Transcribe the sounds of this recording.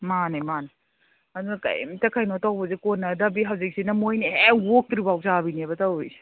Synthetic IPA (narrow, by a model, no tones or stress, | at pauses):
manimani | ɐdunɐka̰j̰mtɐkʰajnotawbɐzekonːɐdabiɦawzik̚sinɐmojneewok̚tɾibawk̚zabiniebɐtawijsi̥